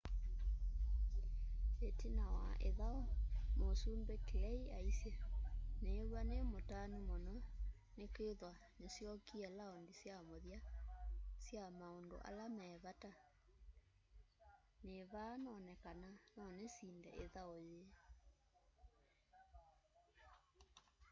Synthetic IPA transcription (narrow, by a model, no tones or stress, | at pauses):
etinawa̰ʔeðaomosuːmbekelɛia̰isjenewanemotanimɔnɔ | nekeðwanesjɔkiɛlaondisjamoðja | sjamaondo̰ʔa̰lamɛːβata | neβanɔnɛkananɔnesiːndɛ̰ʔeðaoje